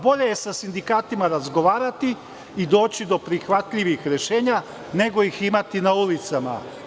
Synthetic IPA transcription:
bo̞ʎe̞jesasind̪ikaːt̪imaɾazɡo̞ʋaːɾat̪iː | d̪o̞ːt͡ɕid̪o̞pɾixʋat̪ʎiʋixɾe̞ʃe̞ːɲa | ne̞ɡo̞jiximat̪inaulit̪sama̰

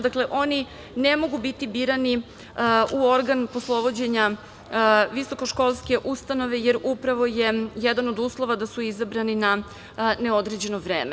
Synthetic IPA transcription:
d̪akle̞ʔo̞ni | nemo̞ɡubit̪ibiːɾani | uo̞ɾɡanposlˠo̞ʋo̞d͡ʑe̞ɲa | ʋiso̞ko̞ʃko̞lˠske̞ʔust̪ano̞ʋe̞jeɾupɾaʋo̞jejɛd̪anod̪uːslˠo̞ʋad̪asuizabɾanina | neo̞d̪ɾed͡ʑe̞noʋɾeːme

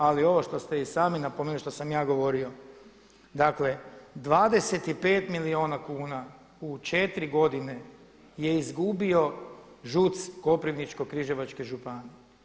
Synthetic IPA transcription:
alio̞ʋo̞ʃt̪o̞st̪eisaːminapomenliʃt̪o̞samjaːɡo̞ʋo̞ɾio̞ | d̪akle̞d̪ʋaːd̪e̞se̞t̪ipe̞ːt̪milioːnakuːna | ut͡ʃe̞t̪ɾiɡo̞d̪ine̞ | je̞izɡubio̞ | ʒut̪sko̞pɾiʋnit͡ʃko̞kɾiʒeʋat͡ʃkeʒupani

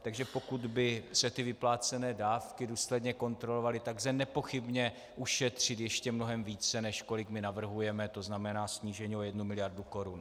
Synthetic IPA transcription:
t̪aɡʒɛpo̞kud̪bɪsɛt̪ɪvɪplaːt͡sɛnɛːdaːfkɪduːslɛdɲɛko̞nt̪ɾo̞lo̞valɪt̪aɡzɛnɛpo̞xɪbɲɛ | ʔuʃɛt̪r̝̥ɪt̪jɛʃcɛmno̞ɦɛmviːt͡sɛnɛʃko̞lɪkmɪnavr̩ɦujɛmɛt̪o̞znamɛnaːsɲiːʒɛɲiojɛdnumɪlɪjaɾduko̞ɾun

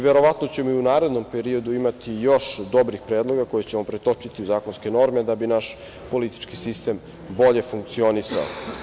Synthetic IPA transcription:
ʋe̞ɾo̞ʋat̪no̞t͡ɕe̞moiunaːɾe̞d̪no̞mpeɾio̞d̪uimat̪ijo̞ʃd̪o̞bɾixpɾeːd̪lˠo̞ɡako̞jet͡ɕe̞mo̞pɾet̪o̞t͡ʂit̪iuzaːko̞nske̞no̞ɾme̞d̪abinaʃ | po̞lit̪i̥t͡ʃkisist̪e̞m | bo̞ʎe̞fuŋk̚t̪sio̞nisa̰o̰

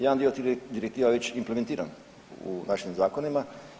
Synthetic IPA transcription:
jed̪and̪iod̪iɾekt̪iːʋaʋet͡ɕimplemet̪iːɾa̰n | ṵnaʃimzaːkonima

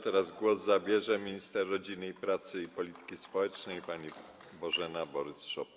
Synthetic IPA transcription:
t̪ɛɾazɡwɔzzabʲjɛʐɛmʲiɲist̪ɛɾːɔd͡ʑinɘipɾat̪sɘipɔlʲit̪ɘ̥kʲispɔwɛt͡ʂnɛjpaɲi | bɔʐɛnabɔɾɘsʂɔp

